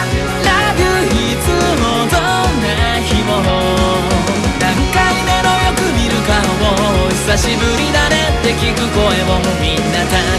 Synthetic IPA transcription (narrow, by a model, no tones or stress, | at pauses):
ɾaɡɯ | çi | t͡sɨ | mot̪o | na | çʲimoɾo | nãŋkainenojokɯ̟mʲiɾɯ̟ka | mo | isaɕibɯ̟ɾʲid̪anet̪ːe̞kʲikɯ̟ko̞e̞mo | mʲinːat̪a